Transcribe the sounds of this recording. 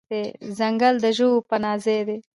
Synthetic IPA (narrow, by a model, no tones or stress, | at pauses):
ezɐŋɡəld̪əʒupənɑːzed̪e